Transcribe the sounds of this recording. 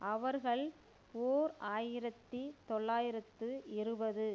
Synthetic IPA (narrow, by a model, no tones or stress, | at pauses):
ʔɐʋɐɾɣɐɭ | oːɾaːjɪɾɐt̪ːit̪ɔɭːaːjɪɾɐt̪ːɯʔɪɾɯbɐðɯ